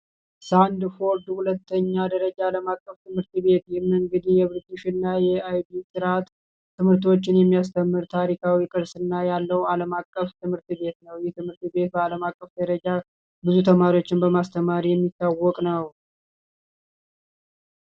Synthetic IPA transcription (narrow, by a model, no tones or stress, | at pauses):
sand̪fo̞ɾd̪hulət̪ːəɲːad̪əɾəd͡ʒaːləmakʼːəft̪ʰɨmhɨɾt̪be̞t̪jɛmːɨŋɡɨd̪ijɛβɨɾd̪iʃɪnːajɛajb̪isɨɾat̪ʰː | ɨmɨɾt̪o̞t͡ʃːɪnjɛmːijas̬t̪ʰəmːɨɾt̪ʰaɾikʰawikʼɨɾsɨnːajalːəwaləmakʼːəft̪ʰɨmhɨɾt̪be̞t̪nəwjɛt̪ʰɨmhɨɾt̪be̞t̪̚bəaləmakʼːəfd̪əɾəd͡ʒa | bɨzut̪ʰəmaɾio̞t͡ʃːɪnbəmast̪ʰəmaɾijɛmːit̪ːawːɔkʼnəw